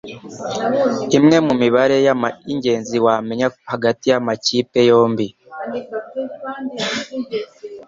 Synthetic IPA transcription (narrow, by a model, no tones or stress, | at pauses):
imŋe̞mumiβaɾe̞jamaiɲɟe̞ːnziwame̞ɲahaɡatijamaciːpe̞jo̞ːmbi